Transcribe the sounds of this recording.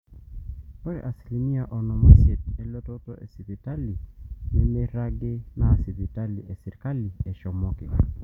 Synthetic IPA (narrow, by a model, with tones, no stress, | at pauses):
ɔ˦ɾɛ̰˨ʔa˨si̥˨li˨mi˦a˨ʔɔ˨nɔ˨ma˦se˨t̚ɛ˦lo˦to˦tɔ˦ʔḛ˨si˨pi˨ta˦li˨mɛ˦me˦ɾa˦ɡɪ˦na˦˨si˨bi˨ta˦li˨ɛ˨sɪ˨ɾka˦li˨ɛ˨ʃɔ˨mɔ˦kɪ̰˨